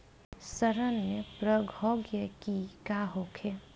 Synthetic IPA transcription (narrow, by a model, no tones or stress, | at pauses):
səɾənmepɾəɡʱoːɡjəkikaːɦoːkʰe